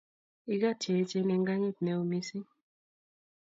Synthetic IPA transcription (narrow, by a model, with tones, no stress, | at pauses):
i˦ɡa˦˨t͡ʃe˨˦t͡ʃe˦ne˨ŋɡa˦ɲi˦˨t̪nɛ˨o˨mi˦si˦